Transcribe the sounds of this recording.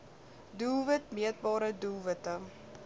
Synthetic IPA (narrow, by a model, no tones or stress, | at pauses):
dulvətmiət̚bɑːɾəduvətə